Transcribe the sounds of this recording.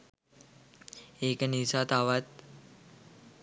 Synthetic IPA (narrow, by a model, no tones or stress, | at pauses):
eːkənisat̪aʋat̪̚